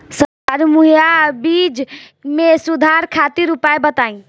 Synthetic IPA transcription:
sə | aɾmuɦijabid͡ʒ | mesud̪ʱaɾkʰat̪iɾupaebət̪aĩ

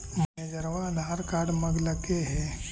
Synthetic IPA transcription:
d͡ʒed͡ʒəɾʋanaːɾkaːɾɖməɡləkeɦɛ

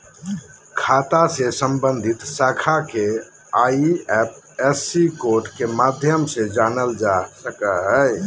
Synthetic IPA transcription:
kʰat̪asesəmbənd̪ʱit̪sakʰake | aiɛp̚ | ɛsikoɾʈkemad̪ʱjəmsẽd͡ʒanəld͡ʒasəkəɦəj

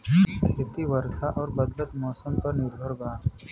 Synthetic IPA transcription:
kʰeːt̪iʋɐɾsaʔɔːɾbəd̪lət̪mɔːsəmpɐɾnɪɾd̪ʱoːɾɡa

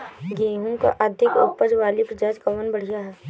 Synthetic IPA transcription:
ɡẽːɦũka̰ʔɐd̪ʱɪkʊpəd͡ʒʋaːlipɾɐd͡ʒaːd͡ʒkɐʋənbɐɽ̤ijaɦɛː

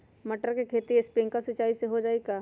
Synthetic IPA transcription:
mɐʈəɾkekʰeːt̪iɪspɾɪ̃ŋkasɐt͡ʃaːiseɦod͡ʒaːeɡaː

